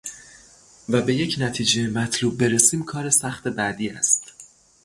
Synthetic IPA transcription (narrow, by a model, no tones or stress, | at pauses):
væbe̞je̞cʰnæt̪ʰiːd͡ʒemæt̪ʰluːb̚ːe̞ɾesiːmkʰɒːɾe̞sæχt̪e̞bæd̪iːæ̰st̪